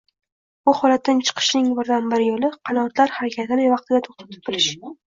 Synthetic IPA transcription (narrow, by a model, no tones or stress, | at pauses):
bʊhɒlat̪ːant͡ʃʰɨ̥qʰɨ̥ʃnɪŋbɪɾd̪anbɪɾɪjolɪqʰɑnɒt̪laɾhaɾakʲʰat̪ʰɪnɪvɑq̚t̪ʰɪɡʲat̪ʰoχt̪ʰḁt̪ʰɪ̥p̚bɪlɪʃ